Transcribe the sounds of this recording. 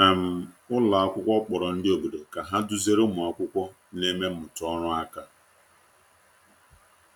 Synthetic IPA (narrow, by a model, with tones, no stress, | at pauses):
na˨m̩˦ | ʊ˦la˨a˦kʷʊ˦kʷɔ˦k͡pɔ˨ɾɔ˨n̩˦dɪ˦o˨bo˨de˨ka˨ɦa˦dʊ˦ze˦ɾo˦mʊ˨ɔ˨kʷʊ˦kʷɔ˦ | ne˦me˦ʊ˨tɔ˦ɾʊ˦a˦ka˨